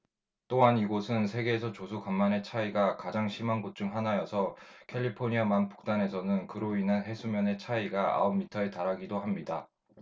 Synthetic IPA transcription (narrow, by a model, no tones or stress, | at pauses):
t͈oɦaniɡosʰɯnsʰe̞ɡe̞ːsʰʌt͡ɕosʰukamːane̞t͡ɕʰaiɡakad͡ʑaŋɕʰimanɡot͡ɕ͈uŋɦanajʌsʰʌkʰe̞ʎːipʰoɲiamanp͈u̥k̚t͈ane̞sʰʌnɯnkɯɾoinɯnɦesʰumjʌne̞t͡ɕʰaiɡaa̰omːitʰʌetaɾaɡidoɦamɲida